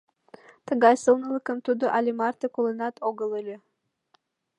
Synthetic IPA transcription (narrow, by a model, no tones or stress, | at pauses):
t̪ə̆ɡɑjsɤ̆lˠnɤ̆lˠɤkə̆mt̪ud̪oʔɑlʲemɑrt̪ɤ̆kulˠenɑt̪ʰoɡɤ̆lelʲĕ